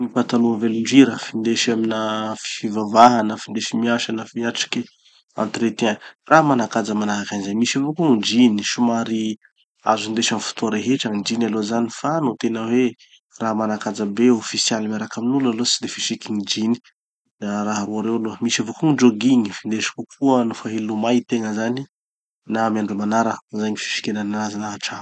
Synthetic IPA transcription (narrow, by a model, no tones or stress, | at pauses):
nipant̪anuənveluɳɖ͡ʐiɾəfind̪eʃaminafi̥fivavaɦanəfind̪eʃimiaʃanəfiaʈ͡ʂi̥ki | a̰nt̪ɾet̪ianraɦmanakad͡zəmanaɦakanizajmiʃavokuŋid͡ʒiniʃumaɾi | a̰zund̪eʃamfu̥t̪uaɾeɦeʈ͡ʂəŋid͡ʒinalozanifanot̪enəwe | ramanakad͡zəbeofisjalimaɾakaminulalot͡si̥d̪efiʃikinid͡ʒini̥ | aɾaɦaɾuaɾewaloəmisavokuŋid͡ʒoɡiɲifind̪eʃi̥kukʰuənufaɦelumajt̪eŋəzani | namjaɳɖ͡ʐumanaɾəzajɲifi̥ʃi̥kenananazinaɦʈ͡ʂḁ